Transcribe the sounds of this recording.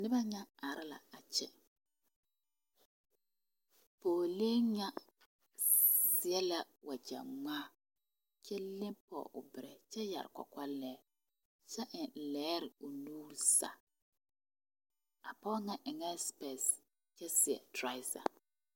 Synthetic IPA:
nɪ˦ba˦ɲa˦a˨ɾɪ˦la̰˨a˨t͡ʃɛ˦ | poː˨le˦ɲa˦ | sɪ˨ɛ˦la˨wʔa˨d͡ʒa̰˨ŋ͡maː˦ | t͡ʃɛ˦lɪ˦mpɔ̰˨ʔʊ̰˨bɪ˨ɾɛ˨t͡ʃɛ˦ja̰˨ɾɪ̰˨kʷa̰˨kʷa˦lɛː˦ | t͡ʃɛ˦ʔɪ˨lɛː˨˦ɾɪ˨ʊ˨nuː˦ɾsa̰˨ | a˨pɔ˦ŋa˦ʔɪ˨ŋɛ˦spɛ˨s | t͡ʃɛ˦sɪ˨ɛ̰˨tɾa˦ɪ˦sa̰˨

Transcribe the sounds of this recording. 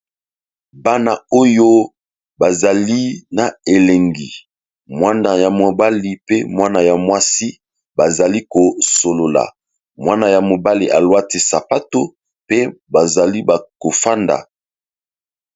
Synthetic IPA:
ba˦na˨o˦jo˦ | ba˨za˨li˦na˨e˨lɛ˨ŋɡi˨ | mwa˦na˨ja˨mo˨ba˦li˨pe˦mwa˦na˨ja˨mwa˦si˦ | ba˨za˨li˦ko˨so˨lo˨la̰˨ | mwa˦na˨ja˨mo˨ba˦li˨ʔa˨lwa˦ti˦sa˨pa˦to˦ | pe˦ba˨za˨li˦ba˨ko˨fa˦nda̰˨

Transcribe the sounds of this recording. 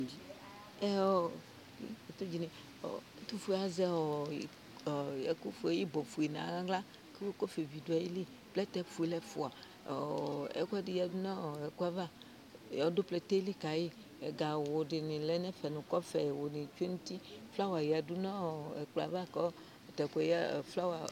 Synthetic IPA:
i˨ | ɛ˦ɔ̰˦˨˦ | e˨t̪o˦d͡ʒi˨nẽ˨ | ɔ̰˨˦t̪u˦fu˦a˨zɛ˦ɔ˨ | jɛ̰˨ku˦fu˨˦e˨ji˦bɔ˨fu˨e˨nã̰˨˦ɡã˦ɡla˦ | ke˦wo˦ko˦fe˨vi˨do˨˦a˨ji˦li˦ | plɛ˦t̪ɛ˦fu˨e˨˦lɛ˦fṵ˨a˨ | ɛ̰˨kɛ˦di˨ja˨du˦nã˦˨ɛ˨ku˦a˦va˦˨ | jɔ˨do˦plɛ˦t̪e˦li˦ka˨ji˦ | ɛ˨ɡa˨wo˨dɪ˨nĩ˨lɛ˨˦nɛ̃˦fɛ˨nũ˨kɔ˦fɛ˨wo˨nĩ˨t͡ʃu˦e˦nũ˦t̪i˦fla˦wa˨ja˨du˦nã˦˨ɛ˨k͡pla̰˨va˦kɔ˦˨ | tɛ˨kʷɛ˨˦jfla˦wa˨

